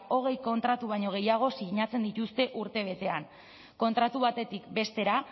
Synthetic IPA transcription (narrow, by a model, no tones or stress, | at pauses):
o̞ɣ̞e̞jko̞nt̪ɾat̪uβ̞ajɲo̞ɣ̞e̞jaɣ̞o̞siɣɲat͡se̞nd̪it̪ust̪e̞ʔuɾt̪e̞β̞e̞t̪e̞an | ko̞nt̪ɾat̪uβat̪e̞t̪ikbe̞st̪e̞ɾa